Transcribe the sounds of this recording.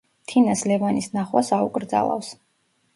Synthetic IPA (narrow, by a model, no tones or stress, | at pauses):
t̪ʰinaslɛvanisnaχwasaṵkʼɾd̪za̰lˠa̰fs